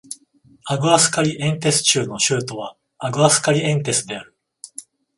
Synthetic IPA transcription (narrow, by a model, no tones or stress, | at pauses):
aɡɯ̟asɨ̥kaɾʲiʔẽ̞nt̪̬e̞sɨ̥t͡ɕɨːno̞ɕɨːt̪o̞β̞a̰ | aɡɯ̟asɨ̥kaɾʲiẽ̞nt̪e̞sɨd̪e̞aɾɯ̟